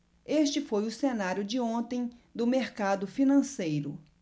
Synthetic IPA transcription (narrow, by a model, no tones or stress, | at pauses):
est͡ʃɪfojʊsenaɾjʊd͡ʒɪõt̪ẽj̃d̪ʊmeɾkad̪ʊfinɐ̃sejɾʊ